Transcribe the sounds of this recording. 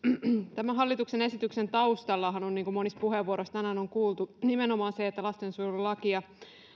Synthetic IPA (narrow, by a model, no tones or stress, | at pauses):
t̪æmæɦɑlːit̪uksene̞sit̪yksent̪ɑust̪ɑlːɑɦɑnonːiːŋkumonist̪puheʋuoɾost̪ænæːnoŋkuːlt̪unimenomɑːnseet̪ːælɑst̪ensurulɑkiɑ